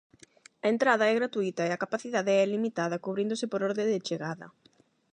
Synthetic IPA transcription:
ɐent̪ɾaðɐɛɣɾat̪uit̪ɐeɐkapaθiðaðeɛlimit̪aðɐkuβɾind̪ʊsɪpoɾɔɾðẽd̪ɪt͡ʃeɣaðɐ̰

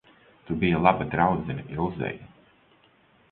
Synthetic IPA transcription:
t̪ubijalˠabad̪ɾawd̪zinɐʔiɾuzɛ̰ju

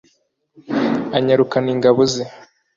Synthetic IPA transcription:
aɲaɾukaniŋɡaβoze

